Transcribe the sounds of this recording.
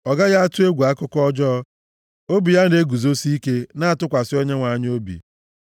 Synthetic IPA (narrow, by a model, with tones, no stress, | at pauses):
ɔ˨ɡa˦ja˦a˦tʊ˦e˦ɡʷu˨a˦kʊ˦kɔ˦d͡ʒɔ˦ | o˦bi˨ja˦n̩˦de˦ɡu˨zo˦si˦i˦ke˦na˦a˨tʊ˦kʷa˨sɪ˦o˦ɲe˦ŋʷa˨ɲ˦o˦bḭ˨